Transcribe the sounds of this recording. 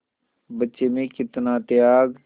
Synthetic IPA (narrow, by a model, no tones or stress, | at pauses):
bətːʃemẽkɪt̪nat̪jaːɡ